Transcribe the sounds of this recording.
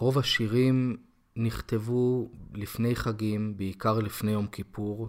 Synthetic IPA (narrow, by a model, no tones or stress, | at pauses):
ʁo̞vhaʃiʁim | niχt̪e̞vulifne̞jχaɡimbeikaʁlifne̞jo̞mkipuʁ